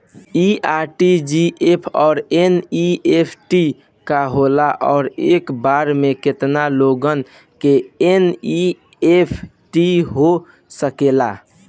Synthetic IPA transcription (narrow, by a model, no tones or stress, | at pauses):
iaʈid͡ʒiʔepʰɔːɾeniepʰʈi | kaɦolaʔɔ̰ːɾekbaɾmeket̪naloɡən | keeni | epʰ | ʈiɦo | səkela̰